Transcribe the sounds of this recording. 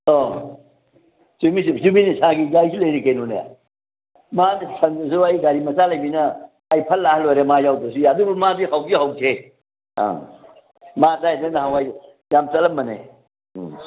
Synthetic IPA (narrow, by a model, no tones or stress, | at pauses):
o | sumis̬izuminisaɡizajsulɐjɾikejnuneja̰ | madsʰɐndɐsuajɡaɾimɐsalɐjbinɐː | jpʰɐlːahlojɾemajawdɐs̬uadubɐmadihawɡiɦawkʰe | a̰ | madajnɐnɐɦawaj | jamt͡ʃɐlɐmːɐnḛ